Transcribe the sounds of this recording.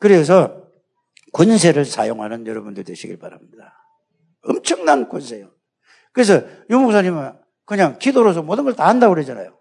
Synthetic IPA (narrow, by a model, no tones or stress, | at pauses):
kɯɾe̞s̬ʰʌ | kons̬ʰe̞ɾɯɭsa̰joŋɦanɯnjʌɾʌbundɯɭdweɕʰiɡiɭbaɾamɲida | ʌmt͡ɕʰʌŋnankonsʰe̞jo | kɯɾe̞s̬ʰʌjumok̚s̬ʰaɲimɯn | kɯɲaŋkidoɾos̬ʰʌmwʌdɯnŋɡʌɭtaɦandaɡoɾɦed͡ʑana̰jo